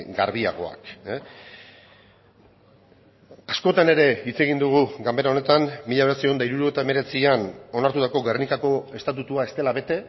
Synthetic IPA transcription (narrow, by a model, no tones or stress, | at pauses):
ɡa̰ɾβia̰ɣ̞o̞̰a̰k | asko̞t̪ane̞ɾe̞it͡se̞ɣind̪uɣ̞uɡambeɾao̞ne̞t̪ammiʎaβe̞t͡seond̪aiɾuɾoet̪ae̞me̞ɾe̞t͡siano̞naɾt̪ut̪ako̞ɣernikako̞e̞st̪at̪ut̪uae̞st̪e̞laβe̞t̪e̞